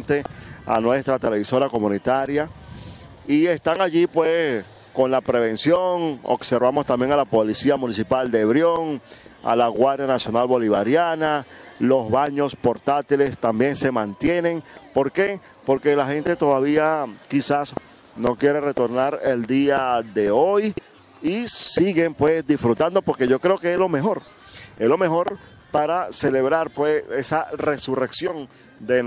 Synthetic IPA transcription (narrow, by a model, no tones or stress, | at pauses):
nt̪ea̰nwe̞st̪ɾat̪e̞le̞βiso̞ɾako̞mũnit̪aɾja | ie̞st̪aŋaʝipwes | ko̞nlapɾe̞βe̞nsjo̞ŋo̰kseɾβamo̞st̪ambje̞ŋalapolisiamũnis̬ipald̪eβɾjo̞ŋa̰laɣwaɾðjanasjo̞nalβo̞liβaɾjanalo̞zβaɲo̞spo̞ɾt̪at̪ile̞st̪ambje̞nse̞mãnt̪je̞ne̞ŋpo̞ɾke̞ | po̞ɾke̞laxe̞nt̪e̞t̪o̞ðaβiakisas | no̞kje̞ɾere̞t̪o̞ɾnaɾe̞ld̪iaðe̞o̞j | isiɣe̞mpwe̞sd̪ifɾut̪and̪o̞po̞ɾke̞ʝo̞kɾe̞okeeslo̞me̞xo̞ɾ | eslo̞me̞xo̞ɾ | paɾase̞le̞βɾaɾpwe̞sesare̞sure̞ksjo̞n | d̪e